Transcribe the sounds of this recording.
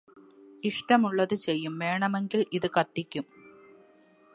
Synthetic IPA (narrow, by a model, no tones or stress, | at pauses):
iʂʈɐmuɭːɐðɨt͡ɕe̞jːumʋe̞ːɳɐme̞ŋɡiliðɨkɐt̪ːikʲːum